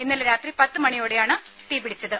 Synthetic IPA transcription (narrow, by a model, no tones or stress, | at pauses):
inːɐlɾaːt̪ripɐt̪ːɨmɐɳijoːɽejaːɳɨ | t̪iːbiɽit͡ɕːɐðɨ